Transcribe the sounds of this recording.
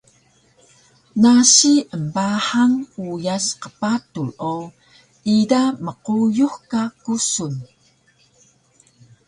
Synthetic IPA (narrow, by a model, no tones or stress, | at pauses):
naɕiəmbaħaŋujasqə̥patulo | idaməqujuhkakusun